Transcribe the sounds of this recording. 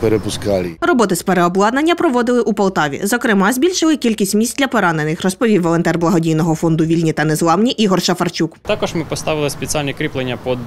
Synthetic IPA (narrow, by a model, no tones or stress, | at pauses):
peɾepʊskɑlʲirɔbɔt̪ɪsʲpeɾeɔblˠɑd̪nɐnʲːɐpɾɔʋɔd̪ɪlˠɪʔupɐlˠt̪ɑʋʲḭzɔkɾɪmɑzʲbʲilʲʃɪlˠɪkʲilʲkʲisʲtʲmʲisʲt̚ʲdʲlʲɐpɔɾɑnenɪxrɔspɔʋʲiwʋːɔlˠɔnt̪ɛrblˠɐɦɔdʲijnɔɦɔfɔnd̪ʊʋʲilʲnʲit̪ɐnɛzlˠɑwnʲiʔiɦɔrʃɐfɐrt͡ʃʲukt̪ɑkɔʒmɪpɔst̪ɑʋɪlˠɪspʲet͡sʲalʲnʲikɾʲiplˠenʲːɐpɔd̪